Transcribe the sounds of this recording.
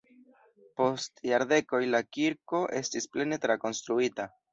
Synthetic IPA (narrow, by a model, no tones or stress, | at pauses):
po̞stjaɾde̞ko̞jlakiɾko̞ʔe̞stisple̞ne̞tɾako̞nst̪ɾuita